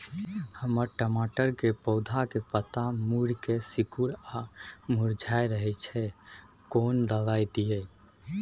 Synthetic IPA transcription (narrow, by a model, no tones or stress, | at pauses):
həməɾʈəmaʈəɾkepɔʊd̪ʱakepət̪amuɾkesikuɾamuɾd͡ʒʱajɾəɦɛt͡ʃʰɛ | kond̪əʋajd̪ije